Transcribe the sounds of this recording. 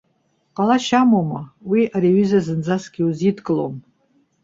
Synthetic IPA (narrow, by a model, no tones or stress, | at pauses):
qɑlaʃamomɐwiʔaɾeɥizɐzɨnd͡zasɡʲiuzitʰkʼɨlo̰m